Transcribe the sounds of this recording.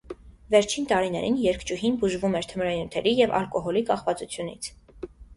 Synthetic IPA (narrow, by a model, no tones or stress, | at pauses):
vɛɾt͡ʃʰint̪ɑɾinɛɾinjɛɾkʰt͡ʃuɦinbuʒvumɛɾt̪ʰəmɾɑnut̪ʰɛɾijɛvɑ̰lkɔɦɔlikɑχvɑt͡sut͡sʰjunḭt͡sʰ